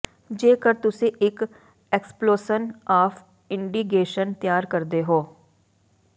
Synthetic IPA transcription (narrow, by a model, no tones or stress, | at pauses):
d͡ʒeːkəɾt̪ʊsẽʔɪk | ɛksploːsənaːpʰ | ɪɳɖiːɡeːʃənt̪jaːɾkəɾd̪eɦoː